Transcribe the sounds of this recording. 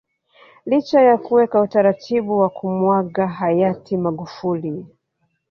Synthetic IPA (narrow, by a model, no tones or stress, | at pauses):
lit͡ʃajakuwɛkautaɾatʰiɓuwakʰumwaɠaɦajatʰimaɠufuli